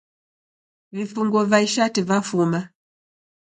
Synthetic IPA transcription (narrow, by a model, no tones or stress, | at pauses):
vifuŋɡɔvaiʃativafuma